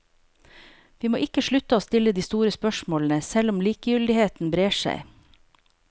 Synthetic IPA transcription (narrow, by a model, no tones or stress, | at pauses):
ʋiːmo̰ːʔɪkəʃɭʉt̪əoːst̪ɪləd̪iːst̪uːɾəspœʃmoːln̩əsɛlʊmliːkəjʏld̪ɪheːt̪n̩bɾeːʃæ̰ɪ